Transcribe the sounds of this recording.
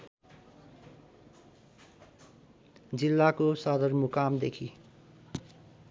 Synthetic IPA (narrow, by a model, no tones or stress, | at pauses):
d͡zilːakosʌd̪ʌrmukamd̪ekʰi